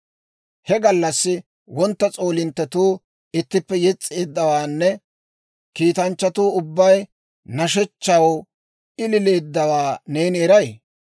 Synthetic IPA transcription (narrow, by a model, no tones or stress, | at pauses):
hɛɡɐlːɐsːɪ | wɔnt̪ːɐt͡sʼo̞ːlɪnt̪ːɛt̪uː | ɪt̪ːɪpːɛjɛt͡sʼːeːd̪ːɐwaːnːɛ | kiːt̪ɐnt͡ʃːɐt̪uːʊbːɐj | nɐʃɛt͡ʃːɐw | ɪlɪle̞ːd̪ːɐwaːneːnɛɾɐj